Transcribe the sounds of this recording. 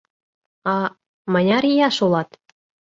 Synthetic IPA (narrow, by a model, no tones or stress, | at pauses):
ɑ | mənʲɑɾijɑʃulɑt̪